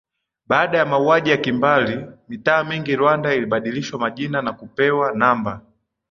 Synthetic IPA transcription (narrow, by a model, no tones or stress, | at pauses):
ɓaːɗajamauaʄijakimbalimitaːmiŋɡiɾwandailiɓaɗiliʃwamaʄinanakupɛwanamba